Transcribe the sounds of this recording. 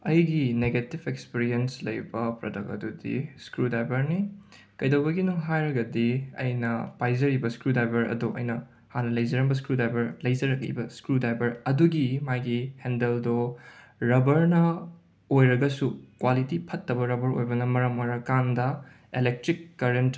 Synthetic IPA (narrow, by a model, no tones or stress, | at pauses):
ɐjɡineɡetibʰekspiɾienslɐjbɐpɾodɐkɐ̰dudḭskɾudajbɐɾni | kɐjdɐwbɐɡinuŋɦajɾɐɡɐdiɐ̰jnɐpajzɐɾibɐskɾudajbɐɾɐ̰duʔɐ̰jnɐ | hanɐlɐjzɐɾɐŋbɐs̬kɾudajbɐɾlɐjzɐɾɐk̚lḭbɐskɾudajbɐɾɐduɡimajɡihendeldɔ | ɾɐbɐɾnɐ | ojɾɐɡɐsukwalitipʰɐtːɐbɐɾɐbɐɾo̰jbɐnɐmɐɾɐmojɾɐkandɐ | elek̚tɾikːɐɾent